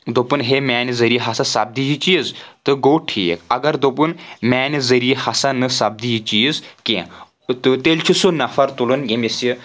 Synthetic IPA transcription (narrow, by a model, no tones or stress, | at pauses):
d̪opɨnɦemaːnizɐɾijiɦɐsasɐb̚d̪ijit͡ʃiəzt̪ɨɡoːʈʰiḛkɐɡɐɾd̪op̬ɨnmaːnizɐɾijehɐsanɨsɐb̚d̪ijit͡ʃijzkẽ | t̪ɨt̪elʲt͡ʃʰisunɐfɐɾt̪ulɨnjemisji